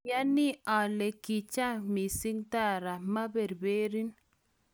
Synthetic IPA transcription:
ja˦ni˦a˨le˨ki˨t͡ʃa˦mi˨si˦ŋt̪a˦˨ɾa˨ma˦be˨ɾbe˦ɾi˦n

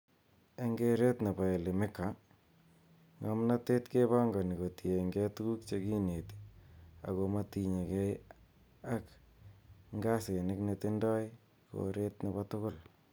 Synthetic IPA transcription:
e˦ŋɡeɾe˦tne˨ba˨e˨li˨mɪ˦ka˨ | ŋa˨mnate˦tke˦βa˦ŋɡɔ˨ni˨ko˨tieŋɡɛ˦tu˦ku˦kt͡ʃe˦ki˦ne˨ti̥a̰˨komati˨ɲe˨kɛ˦j | a˦k | ŋɡa˦se˨nɪ˦knetɪndɔ˦ɪ | ko̰˨ɾe˦tneβa˦tʊ˦ɣʊ˦l

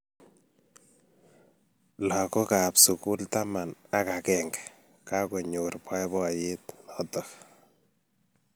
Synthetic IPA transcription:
la˨kɔ˦ka˨psu˨ku˦lta˦ma˨na˦ka˨kɛŋɡɛ̥ | ka˦kɔ˨ɲurpa˦jbɔ˦jɪtnɔtɔ

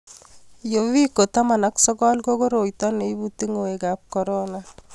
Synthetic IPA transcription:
jowi˦ko˨ta˦ma˨na˦ksɔ˦kɔ˦lko˦ko˦ɾo˨jt̪ɔ˦ne˨i˦buti˦ŋo˨we˨kap̚kɔ˨ɾona

